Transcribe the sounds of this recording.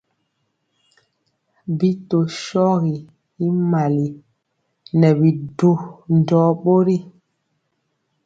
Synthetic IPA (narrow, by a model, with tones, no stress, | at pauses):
bi˦to˨ʃɔ˦ɣi˨ | i˦ma˨li˨ | nɛ˨bi˨du˦n˨dɔː˨˦ɓo˦ɾi˦